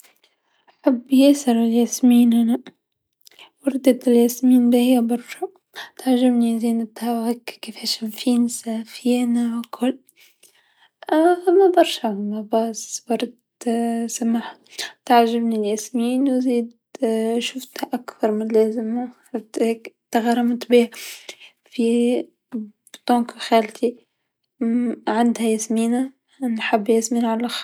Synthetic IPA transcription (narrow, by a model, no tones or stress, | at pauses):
ʔaħabːjeːsɑɾˤɪljasmiːnhana | wɑɾˤd̪at̪ɪljasmiːnbihjabɑɾˤʃa | t̪aʕʒabniziːnɪt̪hawakkːeːfeʃɪmfiːnsafinawkʰʊlː | ʔamːabɑɾˤʃahmabɑːsbɑɾˤd̪ | samaħat̪aʕʒabniljasmiːnwziːd̪ | ʃʊft̪haʔakθɑɾˤmɪnlaːzɪmaʃʊft̪heːkt̪aɣaɾˤɑmt̪ˤbiːa | fi | bt̪ˤoːkxaːlt̪i | ʕand̪hajasmiːna | nħabːjasmiːnʕalax